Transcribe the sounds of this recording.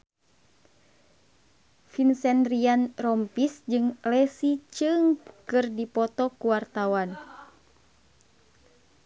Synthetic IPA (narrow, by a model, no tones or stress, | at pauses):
finsɛndɾianrɔmpisd͡ʒɨŋlɛsit͡ʃɨŋkɨrdipɔt̪ɔkuwart̪awan